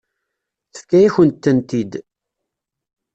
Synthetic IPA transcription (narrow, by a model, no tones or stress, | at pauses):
θə̥fkːæjæçənt̪ːənt̪id̪